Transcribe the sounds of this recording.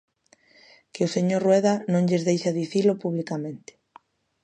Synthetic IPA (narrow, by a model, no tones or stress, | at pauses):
keʊseɲoɾrwɛðanõŋʎezðejʃaðiθilʊpuβ̞likamẽnt̪ɪ̥